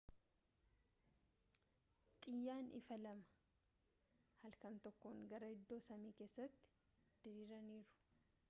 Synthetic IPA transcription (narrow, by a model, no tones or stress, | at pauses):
t̪ʼɪjːaːnɪ̰fɐlɐmɐ̥ | hɐlkɐnt̪ɔkːoːŋɡɐɾɐɪd̪ːo̞ːsɐmiːke̞ːsːɐt̪ːɪ̥ | d̪̥ɪɾiːɾɐniːɾʊ̥